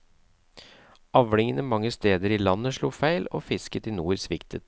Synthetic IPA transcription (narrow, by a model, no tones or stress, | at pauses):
ɑʋɽɪŋənəmɑŋːəst̪eːd̪əɾɪlɑnːəʂɭuːfæɪlo̰ːfɪskət̪ɪːnuːɾsʋɪkt̪ʰət̪